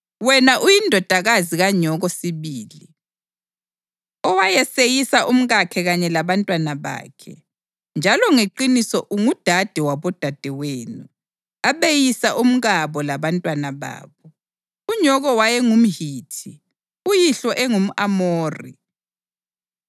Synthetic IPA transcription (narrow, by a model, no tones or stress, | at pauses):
wɛnaʔujindʱɔd̥ʱaɣaziɣaɲɔɣɔsiβiːli | ɔwajɛsejisaʔum̩ɣakʰɛɣaɲɛlaβantʼwanaβa̰ːkʰɛ̰ | nd͡ʒʱalɔŋeǃinisɔʔuŋud̥ʱad̥ʱɛwaβɔd̥ʱad̥ʱɛweːnu | aβejisaʔum̩ɣaβɔlaβantʼwanaβa̰ːβɔ | uɲɔɣɔwajɛŋum̩ɦiːtʰi | ujiɬɔʔɛŋum̩ʔamoːrḭ